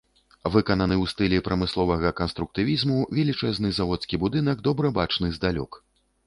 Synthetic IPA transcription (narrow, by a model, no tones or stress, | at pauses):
vɨkɐnɐnɨwst̪ɨlʲipɾɐmɨslˠɔvɐɣɐkɐnst̪ɾuk̚t̪ɨvʲizmuvʲɛlʲit͡ʂɛznɨzavɔt̪skʲibud̪ɨnɐɡd̪ɔbɾɐbat͡ʂnɨzd̪alʲɔ̰k